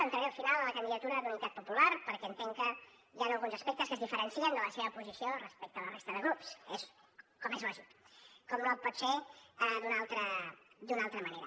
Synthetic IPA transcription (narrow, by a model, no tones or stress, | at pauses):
ənt̪ɾəeəlˠfinalˠələkənd̪iðət̪uɾəd̪unit̪at̪pupulaɾpəɾkɛːnt̪eŋkə | ʒanəlˠɣunzəspɛk̚t̪əskəzðifəɾənsiənd̪ələseβəpuzisiorəspɛk̚t̪əːlərest̪əðəɣɾupses | kɔmezaʒit̪kɔmnopɔt̪seəd̪unalˠt̪ɾəd̪unalˠt̪ɾəməneɾə